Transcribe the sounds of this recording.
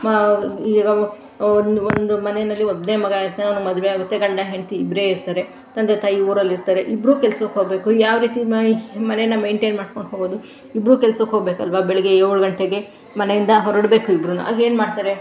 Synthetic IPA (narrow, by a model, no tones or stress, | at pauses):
iɡɐ | ond̪uond̪umɐnejnɐlːiod̪nemɐɡaiɾt̪aːnɐnmɐd̪uʋeaːɡut̪ːe̞ɡɐɳɖaɦeɳt̪iːbɾe̞iɾt̪aːɾe̞ | t̪ɐnd̪et̪aːjiuːɾɐlːiɾt̪aːɾe̞ʔibɾuːkɛlsukɦoːɡbe̞ːkujaːʋɾiːt̪imɐnejnːɐme̞ːɳʈeːnmaːɖko̞ɳɖɦoːɡoːd̪u | ibɾuːkɛlsɐkɦoːɡbe̞ːkuɐlʋabɛɭɛɡe̞oːɭɡɐɳʈeɡe̞ | mɐne̞jind̪ɐɦɔɾɐɽbe̞ːkuibɾunṵʔa̰ːɡe̞ːnmaːɽt̪aːɾe̞